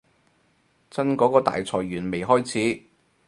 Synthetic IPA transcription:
t͡sɐ˥nkɔː˨˧˥kɔː˨˧t̪a̰ː˨jt͡sʰɔː˨jɥyː˨˩nme˨jɦɔː˥jt͡sʰiː˨˥

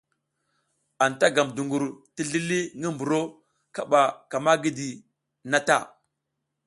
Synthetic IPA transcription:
a˨n˨ta˦ɡa˨mdu˨ŋɡu˨ɾti˦ɮi˦li˦ŋi˦mbu˨ɾo˦ | ka˦ɓa˨ka˨ma˦ɡi˦di˨ | na˦ta˦˨

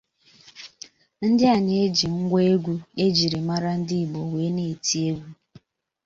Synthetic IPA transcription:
n̩˦dɪ˦a˨ɲ˨e˦d͡ʒi˨ŋ̩˦ɡʷe˦e˦ɡʷu˦e˦d͡ʒi˨ɾi˨ma˦ɾa˦n̩˦dɪ˦i˨bo˨we˨˦ne˨e˨ti˦e˦ɡʷu˦

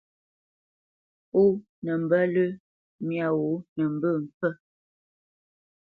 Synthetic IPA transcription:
u˦ | nə˨m̩˨bə˦lə˦ | mja˨wo˨˦nə˨m̩˦bə˦˨m̩˨pə˦

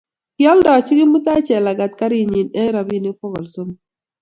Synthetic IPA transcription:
kjɔ˦ldɔ˨t͡ʃi˦ɡɪ˦mu˦t̪a˦t͡ʃɛ˨la˨ɡa˨t̪ka˦ɾi˦i˨ɲi˨nɛ˦ɾa˨bi˦nɪ˦fɔ˦ɣɔ˨lso˦m˦

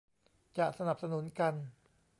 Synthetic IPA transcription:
t͡ɕa˨˩ʔsa˧na˨˩p̚sa˧nu˨˩˦nka˧n

